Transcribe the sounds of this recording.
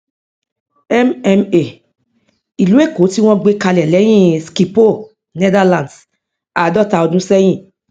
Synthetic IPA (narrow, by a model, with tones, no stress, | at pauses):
ɛ˦mɛ˧me˨ | i˨lu˨˦e˦˨ko˨˦ti˦w̃ɔ̃˦ɡ͡be˦ka˧lɛ˨lɛ˨˦j̃ĩ˦˨ski˨po˦˨ | nɛ˦da˦lã˨nd | a˨dɔ˦˨ta˧ɔ˧dũ˦sɛ˦j̃ĩ˦˨